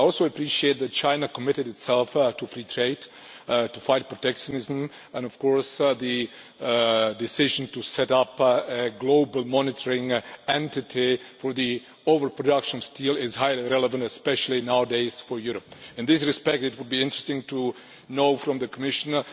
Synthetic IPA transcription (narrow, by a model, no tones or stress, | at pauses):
ɪɔlˠsoʊəpʰɹiʃieɪt̪̚ðɨt̚t͡ʃãɪ̃nakʰəmɪɾɨdɨtsɛlˠftufɹitʰɹeɪd | tufaɪt̚pɹotɛkʃə̃nɪzə̃m | ɛ̃nɔv̥kʰɔɹsði | dɨsɪʒə̃n̩tusɛɾʌpɨɡloʊbl̩ˠmɑnɪtʰə˞ɪ̃ŋɛ̃ntɪtʰifɔɹði | oʊvə˞pʰɹɔdʌkʃə̃n̩stʰilˠɪzhaɪliɹɛləvə̃ntɨspɛʃl̩ˠinaʊədeɪz̥fɔ˞juɾəpɪ̃nðɪs̬ɹɨspɛk̚tɨt̚wʊd̚biɪ̃ntɹ̥ɨstɪ̃ŋtu | noʊfɹɔ̃mðɨkʰəmɪʃə̃n̩